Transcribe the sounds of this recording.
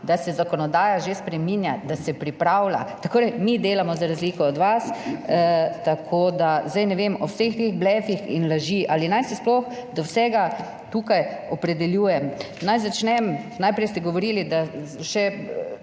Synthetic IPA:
d̪asɛzakɔnɔd̪aːjaʒespɾɛminjad̪asɛpɾipɾawla̰t̪akʰoːɾɛmid̪eːlamɔzaɾazliːkɔɔd̪ʋas | t̪akʰoːd̪azd̪ajnɛʋemɔwsext̪eɣblɛfixḭnlaʒiʔalinajsisplɔxd̪ɔwsɛːɡa | t̪uːkajɔpɾɛd̪ɛljuːjɛm | najzat͡ʃnɛmnajpɾɛjst̪ɛɡɔʋɔɾiːlid̪aʃɛ

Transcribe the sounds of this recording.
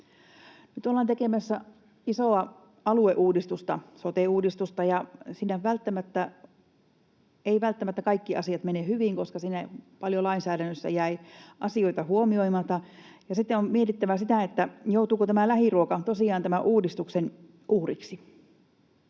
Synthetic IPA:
nyt̪olːɑːnt̪ekemæsːæ | isoɑ | ɑlueʔuːdist̪ust̪ɑ̰sot̪euːdist̪ust̪ɑjɑsiːnæʋælt̪ːæmæt̪ːæ | eiʋælt̪ːæmæt̪ːækɑikːiɑsiɑt̪menehyʋiŋkoskɑsiːnæpɑljolɑinsæːɾænːøsːæ̰jæiʔɑsioit̪ɑhuomioimɑt̪ɑ | jɑsit̪ːeommiet̪it̪ːæʋæsit̪æˑet̪ːæjout̪uːkot̪æmælæhiruokɑt̪osiˑɑːnt̪æmæʔuːdist̪uksen | ʔuːrḭksi

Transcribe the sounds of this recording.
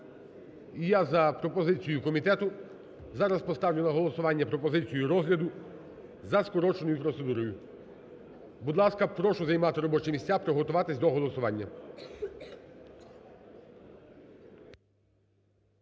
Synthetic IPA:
ijazɐpɾɔpɔzɪt͡sʲijʊkɔmʲit̪ɛt̪ʊ | zɑɾɐspɔst̪ɑʋlʲʊnˠɐɦɔlˠɔsʊʋɑnʲːɐpɾɔpɔzɪt͡sʲijuɾɔzɦlʲɐd̪ʊ | zɐskɔɾɔt͡ʃenɔjʊpɾɔt̪se̞d̪uɾɔjʊ | bud̪lˠɑskɐpɾɔʃʊzɐjmɑt̪ɪɾɔbɔt͡ʃɛmʲisʲt͡sʲapɾɔɦɔt̪ʊʋɑt̪ɪsʲd̪ɔɦɔlˠɔsʊʋɑnʲːɐ

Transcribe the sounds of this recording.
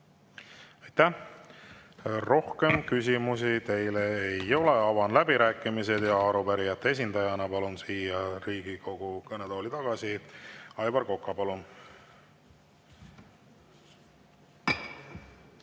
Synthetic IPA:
ɑjt̪ːæh | ro̞hke̞mkys̬ʲimus̬it̪e̞jle̞ejo̞le̞ɑvɑnlæbiɾæːkːˑimis̬e̞d̪̥jɑɑɾupæɾijɑt̪ˑːee̞s̬ʲind̪ɑjɑnɑpɑlunsiːjɑɾiːɡ̥iko̞ɡ̥ukɤnet̪o̞ːlit̪ɑɡ̥ɑsiɑjbɑrko̞kːˑɑpɑlun

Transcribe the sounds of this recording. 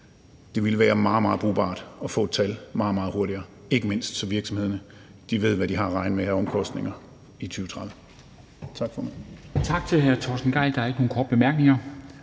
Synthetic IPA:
d̥e̝ʋe̝lʋæːɐmɑ̈ːð̩ˠmɑ̈ːð̩ˠb̥ʁṵːb̥ɑ̰̈ːd̥ɒ̽fɔ̰̽ːd̥t͡sʰælmɑ̈ːð̩ˠmɑ̈ːð̩ˠo̝ɐɾiɐː | e̝ɡ̥əme̝n̰sd̥sɒ̽ʋiɐɡ̥sɒ̽mhe̝ð̞̰ˠɐnə | d̥iʋe̝ð̞̰ˠʋæd̥iɦɑ̈ʁɑ̈ɪnəmehæɐɒ̽mkʰɒ̽sd̥ne̝ŋɐ | it͡sʰyːʊə̥t͡sʰʁɑðð̩ | t͡sʰɑ̈ɡ̥fɒmænt͡sʰɑ̈ɡ̥t͡sʰe̝lɦæɐt͡sʰɒsn̩ɡ̥ɑ̈ɪd̥ɑ̈æɐeɡ̥əno̝ːnkʰɒːd̥̚b̥emæɐɡ̥ne̝ŋɐ

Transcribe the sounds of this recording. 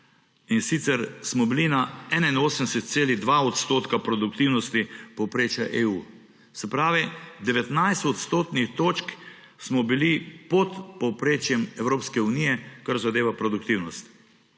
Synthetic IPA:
insit̪sɛɾsmɔbilinaɛnainoːsənɛsɛt̪̚seːliɣd̪ʋaɔt̪st̪oːt̪kapɾɔd̪ukt̪iwnɔst̪ipɔwpɾeːt͡ʃjaʔeːuː | sɛpɾaːʋid̪ɛʋɛt̪najst̪ɔt̪st̪oːt̪nixt̪oːt͡ʃk | smɔbilipɔt̪pɔwpɾeːt͡ʃjɛmɛwɾoːpskɛunijɛkaɾzad̪eːʋapɾɔd̪ukt̪iwnɔst̪

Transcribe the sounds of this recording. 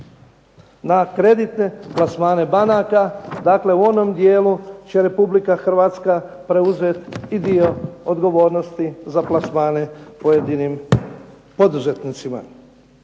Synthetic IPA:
nakɾe̞d̪it̪ne̞plasmaːne̞banakad̪aːkle̞uo̞no̞md̪jeːlut͡ɕe̞ɾe̞publikaxr̩ʋaːt̪ska | pɾe̞uzet̪id̪io̞od̪ɡo̞ʋo̞ːɾno̞st̪izaplˠasmaːne̞pojed̪inim | po̞d̪uzet̪nit̪sima̰

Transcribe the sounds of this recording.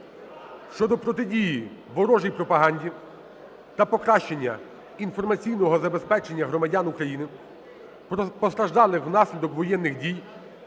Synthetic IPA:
ʃt͡ʃɔd̪ɔpɾɔt̪ɪdʲijiʋɔɾɔʒijpɾɔpɐɦɑnʲdʲi | t̪ɐpɔkɾɑʃt͡ʃenʲːɐ | infɔrmɐt͡sʲijnɔɦɔzɐbespɛt͡ʃenʲːɐɦɾɔmɐdʲanʊkɾɐjinɪ | pɔst̪ɾɐʒd̪ɑlˠɪxwnɑsʲlʲid̪ɔkʋɔjɛnːɪxdʲij

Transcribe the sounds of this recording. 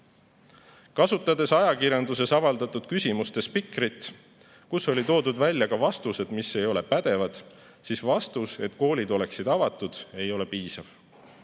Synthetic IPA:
kɑsut̪ːˑɑd̪e̞sɑjɑkirjɑnd̪use̞sɑvɑld̪̥ɑt̪ˑud̪̥kysʲimust̪e̞spikrit̪ˑ | kuso̞lit̪o̞ːd̪ud̪vælʲjɑkɑvɑst̪use̞d̪̥mise̞jo̞le̞pæd̪̥e̞vɑd̪̥ | sisvɑst̪use̞̰t̪ko̞ːlʲid̪o̞le̞ksid̪̥ɑvɑt̪ːˑud̪̥e̞jo̞le̞piːsɑv̥

